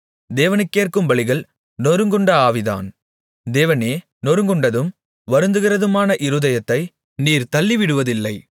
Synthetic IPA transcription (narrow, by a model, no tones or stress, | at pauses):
d̪eːʋɐnɛɪkːeːrkɯmʋɐɭɪɣɐɭ | nɔɾɯŋɡɯɳɖɐaːʋɪða̰ːn | d̪eːʋɐneː | nɔɾɯŋɡɯɳɖɐðɯm | ʋɐɾɯnd̪ɯɣɪrɐðɯmaːnɐʔɪɾɯːðɐjɐt̪ːɐɪ | niːɾt̪ɐlːɪʋɪɽɯʋɐðɪlːɐɪ